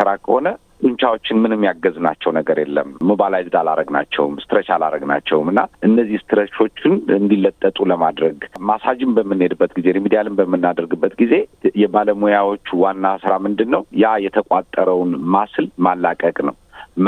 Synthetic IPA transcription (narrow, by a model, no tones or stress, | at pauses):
sɨɾakʰəho̞nə | t̪ʼunt͡ʃawo̞t͡ʃːɪnmɨnɨmːjaɡəznat͡ʃːɛwnəɡəɾjɛlːə̰mːubalajzɨd̪alaɾəɡna̰t͡ʃːɛ̰wmst̪ʰɨɾəʃalaɾəɡna̰t͡ʃːɛwmɨnːaʔɨnːəzːihst̪ʰɨɾəʃo̞t͡ʃːɪnɨnd̪ilːət̪ʼːət̪ʼuləmad̪ɾəɡmasad͡ʒɪmbəmːɨnːhed̪ɨbːət̪ɡize̞ɾimid̪ijalɨmbəmːɨnːad̪əɾɡɨbːət̪ɡize̞jɛbaləmojawo̞t͡ʃːwanːasɨɾamɨnd̪ɨnːəwjajɛt̪ʰəkʷʼat̪ʼːəɾəwnmaslmalːakʼəkʼnəwm